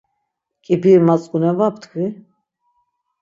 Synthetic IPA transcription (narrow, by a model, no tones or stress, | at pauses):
kʼibiɾmat͡sʼkʼunɛvapt̪ɡi